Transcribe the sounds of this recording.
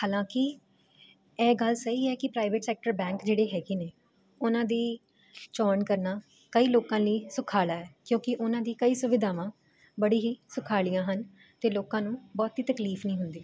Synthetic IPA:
haːlãːkɪ | ɛːɡəlsəɦiːɛːkɪpɾaːɪʋeʈsɛːk̚ʈəɾbɛ̃ːŋkd͡ʒeːɽeːɦɛːɡiːneː | ʊnãːd̪iː | t͡ʃɔːnkəɾnaː | kəiːloːkãːliːsʊkʰaːlaːɛːkjõːkɪʔʊnãːd̪iːkəiːsʊʋɪd̪ʱaːʋãː | bəɽiːɦiːsʊkʰaːlijãːɦən | t̪eːloːkãːnũːbɔːt̪iːt̪əkliːfnĩːɦʊnd̪iː

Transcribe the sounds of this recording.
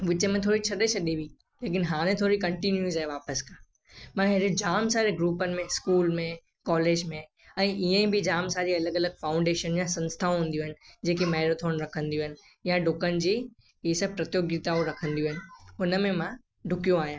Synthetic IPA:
ʋɪt͡ɕemẽt̪ʰoːɾit͡ɕʰɐɗet͡ɕʰɐɗiʋĩ | leːk̬ɪnɦaːɽ̃ẽt̪ʰoːɾikɐ̃ɳʈinjuːzɦeʋaːpəskʰaː | mãɦɪɾed͡ʑaːmsaːɾeɡɾuːpənɪ̆mẽskuːlmẽ | kɔːleːd͡ʑmẽ | ɛ̃ːʔɪɦə̃ĩbɪd͡ʑaːmsaːɾiɐləɡɐləɡ̚faːʊ̃ɳɖeːʃənjãsɐ̃nst̪ʰaɦũːnd̪ijuɦɪnɪ̆d͡ʑeːk̬emaːɪɾot̪ʰoːɽ̃ɾɐkʰə̃nd̪ijũɦɪnɪ̆ | jãɖʱʊkənɪ̆d͡ʑiː | isəpɾɐt̪joːɡit̪aoɾɐkʰə̃nd̪ijuɪnɪ̆ʊnə̆mẽmã | ɖʱʊkijõaːɦijã

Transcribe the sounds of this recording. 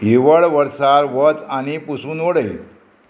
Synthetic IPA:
ɦiʋəɭʋəɾsaɾʋət͡saɽ̃ipusuːnoɽəil

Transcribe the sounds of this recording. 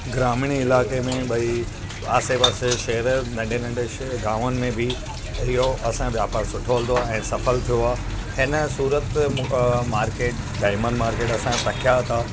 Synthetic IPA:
ɡɾaːmɪɽ̃iɪlaːkemẽɓɐi | aːsepəsʃɐɦɾnɐ̃ɳɖʱenɐ̃ɳɖe | ɡaːʋənɪ̆mẽbʱɪ | ɪɦoɐsãʋjaːpaːɾsʊʈʰoːəld̪oaːɛ̃ːsɐfəlt̪ʰijoaː | hɪnəsuːɾət̪ | maːɾkeːʈ | ɖaːɪmə̃nɖmaːɾkeːʈɐsãpɐkʰjat̪ʰaː

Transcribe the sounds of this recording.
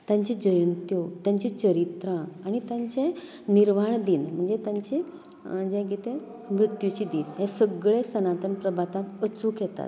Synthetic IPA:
t̪jãɲt͡ɕid͡ʑəjənt̪jot̪jãɲt͡ɕit͡ɕəɾit̪ɾãaɽ̃it̪jãɲt͡ɕẽ | niɾʋaɳd̪iːnm̤əɳd͡zet̪jãɲt͡ɕi | d͡ʑɛ̃ɡit̪ẽ | mɾut̪jut͡ɕid̪iːsɦesəɡɭẽsənãt̪ənpɾəbʱat̪ãt̪ət͡sukʰɛt̪a̰t̪̚

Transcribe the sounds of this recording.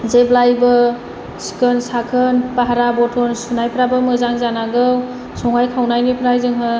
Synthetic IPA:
zeblajbɯ | si̥kənsakʰɯnpaɦaɾabɔtʰɔnsunajpʰɾabɯmɯzaŋzanaɡɯw | sɔŋajkʰawnajnipʰɾajzɯŋɦɯ

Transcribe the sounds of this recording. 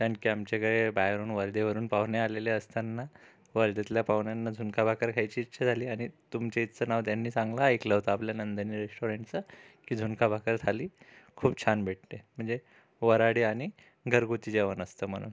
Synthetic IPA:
t̪aɳkiːamt͡ɕekəɭebajɾuːnʋəɾd̪eʋəɾuːnpaʋɳjealeleəst̪anːa | ʋəɾd̪et̪ljapaʋɳjanːad͡zʱunkabʱakəɾkʰajt͡ɕiːtːɕʰad͡zʱaliːaɽ̃it̪umt͡ɕeit̪t͡səːnaʋt̪janːiːt͡sãŋɡlaeklaɦot̪aapljanənd̪ənːiːɾesʈoɾeɳʈt͡sakiːd͡zʱunkʰabʱakəɾt̪ʰaliːkʰuːbt͡ɕʰanbʱeʈ̚t̪em̤əɳd͡ze | ʋəɾaɽiːaɽ̃i | ɡʱəɾɡut̪iːd͡ʑeʋənəst̪əːm̤əɽ̃ṵːn

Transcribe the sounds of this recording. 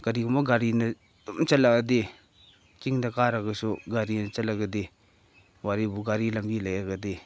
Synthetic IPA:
ɡ̥aɾiumɐɡaɾinɐ | tumt͡ʃɐlaɡɐde | kiŋdɐkaɾɐɡɐsoɡaɾinɐt͡ʃɐlaɡɐde | waɾibuɡaɾilɐmbilajɾɐɡɐde

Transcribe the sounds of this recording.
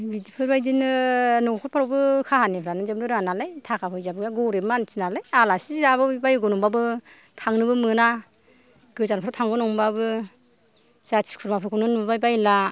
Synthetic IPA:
bitipʰɯɾbajdinɯnɔŋkʰɔt̚pʰaɾɔwbɯkʰaɦanepʰɯɾanɯzɯb̚nɯɾɯŋanalajtʰakʰapʰɯjzabɯɡaɡɔɾemansʰinalajalasizabɯbajɡɔnɔŋbabɯ | tʰaŋnɯbɯmɯna | ɡ̥ɯzanpʰaɾatʰaŋɡɯnɔŋbabɯ | satʰi̥kʰuɾmapʰɯɾkʰɔnɯnɯbbajbajla

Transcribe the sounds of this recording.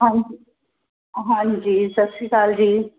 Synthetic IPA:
ɦãd͡ʑi | ɦãːɲd͡ʑiːsəksikaːld͡ʑiː

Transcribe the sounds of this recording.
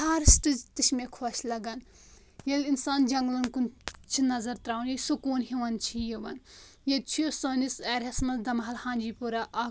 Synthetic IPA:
aːɾsʈɨzt̪ɨʃmekʰoːʃlɐɡɐn | jelinsaːnd͡ʒɐŋɡlɐnkunt͡ʃʰinɐzɐɾt̪ɾaːwnjesukuːnɦiʋɐnt͡ʃʰijiʋɐn | jed̪̚t͡ʃʰijosonisɛːɾɦɐsmɐsd̪ɐmɦɐlhãːnd͡ʒiːpuɾaʔa

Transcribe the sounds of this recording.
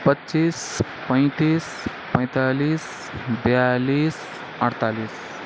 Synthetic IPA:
pətːt͡ʃiːs | pə̃j̃t̪iːs | pə̃j̃t̪aliːs | bjaliːs | əɽt̪aliːs

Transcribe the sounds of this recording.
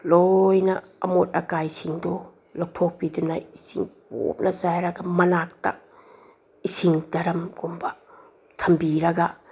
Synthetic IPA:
lojnɐ | ɐ̰mot̚ɐkajsiŋdo | lok̚pʰok̚pidunɐisḭŋpo̰p̚nʔɐzajɾɐɡɐmɐnak̚ta̰ | isiŋdɐɾɐmɡumbɐ | tʰɐmbiɾɐɡa

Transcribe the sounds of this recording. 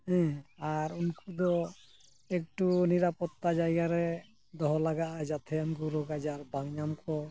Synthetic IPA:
ɦɛ̃aɾunkud̪ɔ | ek̚ʈuniɾapɔt̪ːad͡ʒajɡaɾɛ | d̪ɔɦɔlaɡaʔad͡ʒat̪ʰɛjankuɾɔɡad͡ʒaɾbaŋɲamkɔ

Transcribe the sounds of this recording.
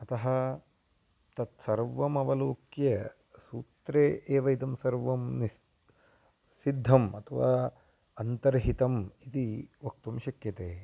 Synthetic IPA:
ɐt̪ɐɦɐ | t̪ɐt̪sɐɾʋɐmɐʋɐloːkjɐ | suːt̪ɾeːʔeːʋɐit̪ɐmsɐɾʋɐmni | sid̪ʱːɐmɐt̪ʰɐʋaː | ɐnt̪ɐɾɦit̪ɐmit̪iʋɐk̚t̪umʃɐkjɐt̪eː

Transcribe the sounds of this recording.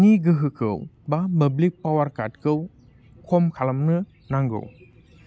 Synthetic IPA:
niɡɯɦɯkʰɯ̰wbamɐblik̚pawaɾkat̚kʰɯw | kʰomkʰalamnɯ | naŋɡɯ̰w

